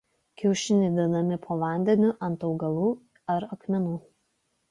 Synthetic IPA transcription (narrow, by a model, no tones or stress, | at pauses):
kʲɛʊʃʲɪnʲɛɪd̪ʲɪnɐmʲɪpʰoːʋɑˑnʲd̪ʲɛnʲʊʔɐnt̪ɒʊɡɐlˠuː | ɐɾɐkmʲɛnuː